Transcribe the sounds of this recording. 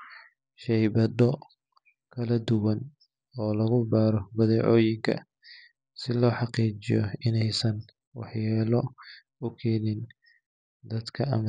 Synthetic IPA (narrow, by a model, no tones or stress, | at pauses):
ʃɛjbɐd̪ɔ | kʰɐlɐd̪ʊwɐn | ɔːlɐɣʊbaːɾɔbɐðɛːʕɔːjɪŋkʰɐ̰ | sɪlɔːħɑqiːt͡ʃɪ̰jɔ̰ɪnɛjsɐn | wɑ̰ħjaːlɔ | ʊkʰɛːnɪn | d̪ɐd̪kʰɐɐ̰mɐ